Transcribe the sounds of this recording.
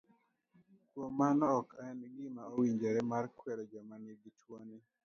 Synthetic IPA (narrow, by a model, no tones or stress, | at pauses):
kwomanɔkʰaɛnɡimaowiɲd͡ʒɛɾɛmarkwɛɾɔd͡ʒamaniɡitwoni